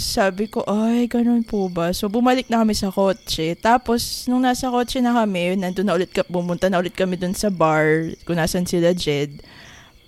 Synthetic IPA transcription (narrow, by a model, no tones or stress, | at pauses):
saːbɪko̞ʔajɡɐno̞npʊbɐso̞bʊmɐlɪk̚nɐkɐmɪsɐko̞t͡ʃɛt̪aːpo̞snʊŋnaːsɐkoːt͡ʃɛnɐkɐmɛnɐnd̪ʊnɐʔʊlɪt̪̚kɐp̚bʊmʊnt̪anɐʔʊlɪt̪̚kɐmɛd̪ʊnsɐbaɹkʊnaːsɐnsɪlɐd͡ʒɛd̪̚